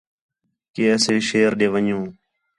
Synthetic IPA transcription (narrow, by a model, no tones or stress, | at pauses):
keːəseːʃeːɾɗeːʋəɲõː